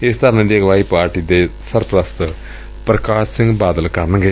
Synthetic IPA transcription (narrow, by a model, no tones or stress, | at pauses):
est̪ʰɐɾɐned̪eɐɡɐʋaːɦipaːɾʈiːd̪esɐɾpɾɐst̪ɨ | pɾɐkaːsiŋɡbaːd̪əlkɐɾnɨŋɡɐ